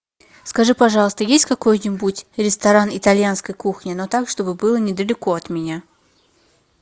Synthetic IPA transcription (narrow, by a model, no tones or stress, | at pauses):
skɐʐɨpɐʐɑlˠəst̪əjesʲtʲkɐko̞jnʲɪbutʲɾʲɪst̪ɐɾanɪt̪ɐlʲjanskəjkuxnʲɪno̞t̪akʂt̪o̞bɨbɨlˠənʲɪd̪əlʲɪko̞ɐt̪mʲɪnʲa